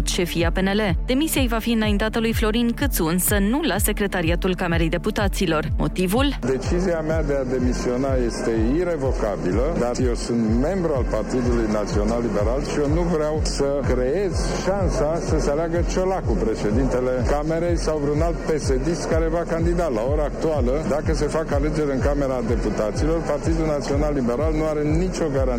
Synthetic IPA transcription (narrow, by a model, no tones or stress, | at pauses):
t̪ʃe̞fijape̞ne̞le̞d̪̥e̞misijajvafiɨnajint̪at̪əlujflo̞ɾinkɨt̪sunsənulase̞kɾe̞t̪aɾiat̪ulkame̞ɾe̞jd̪e̞put̪at̪silo̞rmo̞̰t̪ivuld̪e̞t͡ʃiziamad̪e̞ad̪e̞misio̞naje̞st̪e̞iɾe̞vo̞kabiləd̪arje̞wsunt̪me̞mbɾualpart̪id̪ulujnat̪sio̞nalːibe̞ɾalʃienuvɾeawsəkɾe̞je̞zʃansasəsealaɡət͡ʃolakupɾe̞ʃe̞d̪int̪e̞le̞kame̞ɾe̞jsawvɾunalt̪̚pe̞sed̪iskaɾe̞vakand̪id̪alao̞ɾaːk̚t̪ualəd̪akəse̞fakale̞d͡ʒe̞ɾʲɨŋkame̞ɾad̪e̞put̪at̪silo̞rpart̪id̪ulnat̪sio̞nalːibe̞ɾalnuaɾe̞nit͡ʃo̞ɡaɾa